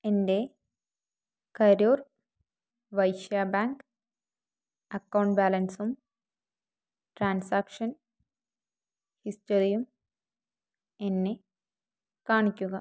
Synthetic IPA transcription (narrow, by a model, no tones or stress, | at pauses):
ende̞ | kɐɾuːr | ʋɐjʃjaːbaːŋk | ɐkːɐwɳʈbaːlɐnsum | ʈɾaːnsaːkʂɐn | hisʈɐɾijum | enːe | kaːɳikʲːuɣɐ